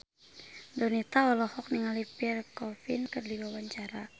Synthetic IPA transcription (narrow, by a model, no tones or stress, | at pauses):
dɔnit̪aɔlɔhɔk̚niŋalipirkɔfinkɨrdiwawaɲt͡ʃaɾa